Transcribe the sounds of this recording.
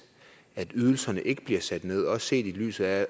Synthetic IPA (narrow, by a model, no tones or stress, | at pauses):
æd̥yð̞ˠl̩sɐnəʔe̝ɡ̥əb̥liɐsæd̥ne̝ð̞̰ˠɒ̽sse̝̰ːd̥ily̰ːsð̩ˠæ